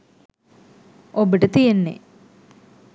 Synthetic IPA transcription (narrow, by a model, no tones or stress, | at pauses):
obiʈət̪ijenːḛ